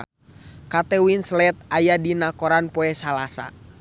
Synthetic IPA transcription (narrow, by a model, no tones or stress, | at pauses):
kat̪ɛwinslɛt̪̚ajadinakɔɾanpɔɛsalasa̰